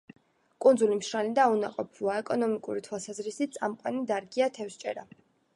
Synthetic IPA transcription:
kʼund̪zulimʃɾanid̪aunaqʼɔpʰuaɛkʼɔnɔmikʼuɾit̪ʰwalˠsazɾisit̪̚t̪sʼa̰mqʼwanid̪aɾɡiat̪ʰɛfst͡ʃʼɛ̰ɾa

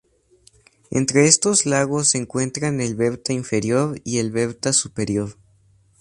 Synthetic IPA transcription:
e̞̰nt̪ɾe̞e̞st̪o̞zlaɣo̞sːeŋkwe̞nt̪ɾane̞lβe̞βt̪aiɱfe̞ɾjo̞ɾie̞lβe̞βt̪asupe̞ɾjo̞ɾ

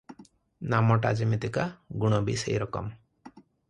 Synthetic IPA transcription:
namɔʈad͡ʒimit̪ikaɡuɽ̃ɔbisḛjɾɔkɔ̰m

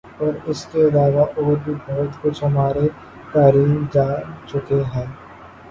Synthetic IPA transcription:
ɔːɾɪskeɐlaːʋaʔoːɾbʱibɔːt̪kʊt͡ʃʰɦɐmaːɾe | t̪aːɾiːmd͡ʒaːt͡ʃʊkeɦɛ̃ː

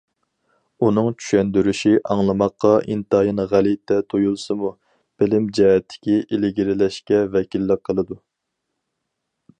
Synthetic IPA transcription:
unɨŋt͡ʃʰy̥ʃɛnd̪yɾyʃiʔɑŋlˠɨmɑqʰːɑʔḭnt̪ɑjinʁælit̪ʰɛt̪ʰojulˠsɨmu | b̥ɪlɪmd͡ʒɛɦɛt̪ʰːɪ̥kʲiʔɪlɪɡʲiɾɪlɛʃkʲɛvɛkʲilːəqʰːəlˠɨd̪u

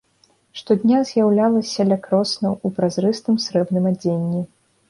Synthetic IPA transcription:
ʂt̪ɔd̪ʲnʲazʲjawlʲalˠɐsʲɐlʲakɾɔsnɐwupɾazɾɨst̪ɨmsɾɛbnɨmad͡zʲenʲːi

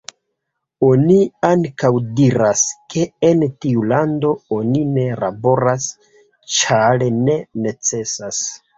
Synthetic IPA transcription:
o̞niaŋkawdiɾaskʰe̞ːntiulando̞onine̞labo̞ɾas | t͡ʃalene̞ne̞t͡se̞sas

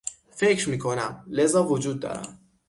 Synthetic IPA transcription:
fecɾmiːkʰo̞næmle̞zɒːvod͡ʒuːd̪̚ːɒ̰ːɾæ̰mm

